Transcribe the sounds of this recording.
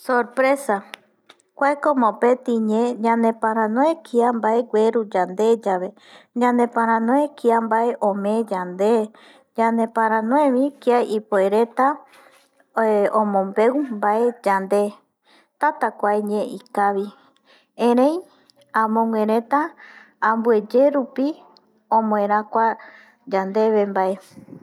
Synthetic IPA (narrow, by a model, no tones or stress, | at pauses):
soɾpɾe̞sa | kʷaekomopet̪ĩɲẽɲãnepãɾ̃ãnõekʰiambaeɡʷwʷe̞ɾud͡ʒand̪e̞d͡ʒaʋe̞ | ɲãnd̪ẽpãɾ̃ãnõekiambaeʔõmẽd͡ʒand̪e | d͡ʒãnẽpãɾ̃ãnõẽʋĩkiaipoeɾet̪a | õmõmbewmbaed͡ʒand̪e̞ | t̪at̪akʷaeɲẽʔikaʋi | ẽɾẽj̃ | ãmõŋʷẽ̞ɾẽ̞t̪ãː | mbue̞d͡ʒe̞ɾupi | õmõẽɾakʷa | d͡ʒand̪e̞βembae